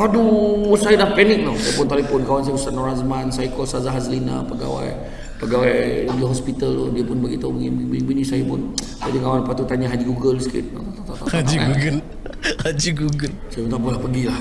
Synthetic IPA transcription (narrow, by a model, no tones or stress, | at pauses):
aduwsajadahpɛnɪk̚lɔsajapʊnt̪alepɔnkawansajpunsanɔɾazmansajkɔsazaɦazlina̰pəɡa̰wa̰j | pəɡawajləbiɦɔspit̪alodiəpʊnbaɡit̪auḭmibiibinisajapʊn | bad͡ʒikawanpat̪ut̪aɲaɦad͡ʒiɡuɡəlsəkɪ̰t̪̚nat̪t̪at̪aad͡ʒiɡuɡəl | had͡ʒiɡuɡəlsajpʊnt̪aʔpəlahpəɡilah